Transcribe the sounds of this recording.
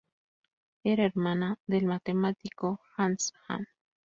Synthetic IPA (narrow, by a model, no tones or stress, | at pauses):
eɾaeɾmanaðelmat̪emat̪ikoxansxa̰n